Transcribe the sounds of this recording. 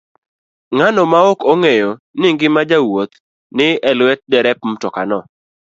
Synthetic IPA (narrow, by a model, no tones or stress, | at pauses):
ŋanɔmaokɔŋɛjɔnɪŋɡɪmad͡ʒawot̪ | nɪɛlwɛt̚dɛɾɛp̚m̩tɔkanɔ